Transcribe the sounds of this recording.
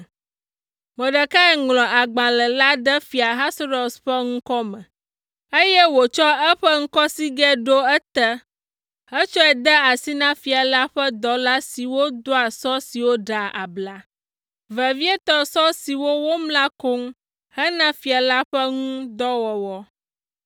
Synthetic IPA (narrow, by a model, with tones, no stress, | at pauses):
mə̃˨ɖə˨ka˦ɛ˨ŋlɔ̃˨ʔa˨ɡ͡bã˨lɛ˨la˦ɖɛ˦fi˨a˨ɦa˦sɾo˨sɸɛ˦ŋ̩̃˦kɔ˦mɛ̃˨ | e˦jɛ˦wo˨t͡ʃɔ˦ɛ˦ɸɛ˦ŋ̩˦kɔ˦si˦ɡɛ˦ɖo˦ɛ˦t̪ɛ˦ | hɛ˦t͡ʃɔ˦ɛ˨d̪ɛ˦a˨si˦nã˦fi˨a˨la˦ɸɛ˦d̪ɔ˨la˦si˨wo˦d̪o˦a˨sɔ˦si˨wo˦ɖa˨ʔa̰˨bla˨ | vɛ˨vi˦ɛ˦t̪ɔ˦sɔ˦si˨wo˦wo˦mlã˦ko˦ŋ | hɛ˦nã˦fi˨a˨la˦ɸɛ˦ŋũ˦d̪ɔ˦wɔ˨wɔ˦